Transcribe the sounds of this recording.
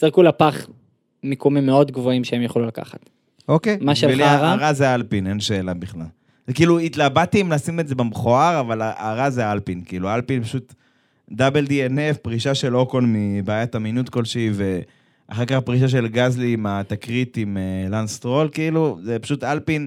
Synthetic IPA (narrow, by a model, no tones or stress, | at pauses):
ziʁkulapaχ | mikomimːeo̞dɡvoimʃeemjeχlulaka̰χat̪ | o̞kejmaʃeeliaʁaʁazealpine̞nʃe̞ːlabiχlal | zekiːluit̪labat̪iimlasimeze̞bamχoaʁavalaaʁazealpinkiilualpinpaʃut̪ | d̪abeld̪ienefpʁiʃaʃe̞lokonmibaːjat̪aminut̪ko̞lʃeive̞ | ʔaχekaχpʁiʃ̬aʃ̬e̞lɡazliːmat̪akʁit̪imelanst̪ʁo̞lkiiluzepḁʃut̪alpin